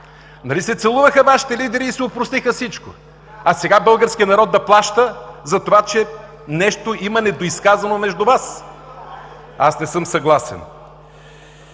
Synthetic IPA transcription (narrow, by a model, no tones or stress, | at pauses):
nɐlisɛt̪sɛlˠuvəxəvaʃi̥t̪ɛlid̪ɛɾiːsɛopɾost̪ixəfsit͡ʃko̰ | ɐsɛɡabɤlˠɡəɾsk̟ʲiənɐɾɔd̪ːɐplˠaʃt̪əzɐt̪ovat͡ʃɛ | nɛʃt̪oʔimɐnɛd̪oiskazɐnomɛʒd̪ʊvas | asnɛsɤmsɐɡlˠasɛ̰n